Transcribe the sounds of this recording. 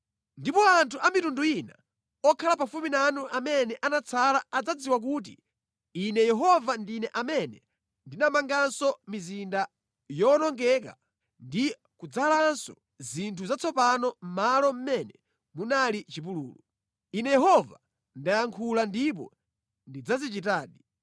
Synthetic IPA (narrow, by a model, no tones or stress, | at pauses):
ndipɔantʰuʔamitunduina | ɔkʰalapafuminanuʔamɛnɛʔanat͡sʰalaad͡zad͡ziwak̬uːt̬ḭ | inɛjɛɦɔvandinɛʔamɛnɛ | ndinamaŋɡansɔmizinda | jɔnɔŋɡɛka | ndi | kud͡zalansɔ | zintʰuzat͡sʰɔpanɔm̩malɔm̩mɛnɛ | munalit͡ʃip̬ulṵːlu | inɛjɛɦɔva | ndajaŋkʰulandip̬ɔ̰ | ndid͡zazit͡ʃitaːɗi